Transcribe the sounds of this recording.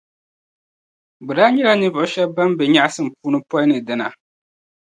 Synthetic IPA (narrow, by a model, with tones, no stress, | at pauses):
bɨ˨ɾa˦ɲi˦ɾa˦nɨ˦vʊ˨ʊ˦ʃɛ˦ba˦m˦bɛ˨ɲa˦ʔsɨ˦m˨puː˦nɨ˦pɔ˦i˦nɨ˨dɨ˨na˨